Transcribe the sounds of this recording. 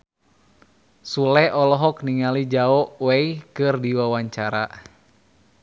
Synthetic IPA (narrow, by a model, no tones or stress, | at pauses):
sulɛɔlɔɦɔk̚niŋalid͡ʒaɔʔwɛikɨrdiwawaɲt͡ʃaɾa